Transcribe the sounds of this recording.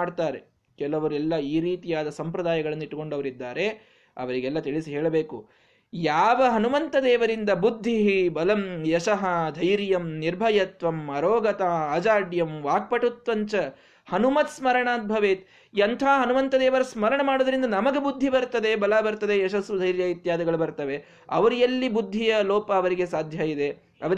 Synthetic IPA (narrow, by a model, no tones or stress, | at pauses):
aːɖt̪aːɾe | kɛlɐʋɐɾuɛlːɐiːɾiːt̪ijaːd̪ɐsɐmpɾɐd̪aːjɐɡɐɭɐnːiʈːko̞ɳɖɐʋɐɾid̪ːaːɾe̞ | ɐ̰ʋɐɾiɡɛlːɐt̪iɭisiɦeːɭɐbeːku | jaːʋɐɦɐnuʋɐnt̪ɐd̪ɛːʋɐɾind̪ɐbud̪ʱːiɦibɐlɐmjɛʃɐɦɐd̪ʱɐjɾjɐmniɾbʱɐjɐt̪ʋɐmɐɾoːɡɐt̪aːɐd͡ʒaːɖjɐmʋaːk̚pɐʈut̪ʋɐɲt͡ʃɐ | hɐnumɐt̪smɐɾɐɳaːt̪̚bʱɐʋeːt̪ | iɐnt̪ʰaːɦɐnuʋɐnt̪ɐd̪ɛːʋɐɾɐsmɐɾɐɳɐmaːɽod̪ɐɾind̪ɐnɐmɐɡebud̪ʱːibɐɾt̪ɐd̪e̞bɐlaːbɐɾt̪ɐd̪e̞jɛʃɐsʋud̪ʱɐjɾjɐit̪jaːd̪ɐɡɐɭubɐɾt̪ɐʋe | ɐ̰ʋɐɾijɐlːibud̪ʱːijɐlɔːpɐːʋɐɾiɡesaːd̪ʱjɐid̪e̞ | ɐ̰ʋɐɾ